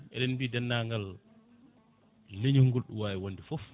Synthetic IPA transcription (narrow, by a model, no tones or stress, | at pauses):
ɛ̰ɗɛnbiːdanːaːŋɡal | leɲuhŋɡulɗṵwaːjɛwonːdifɔf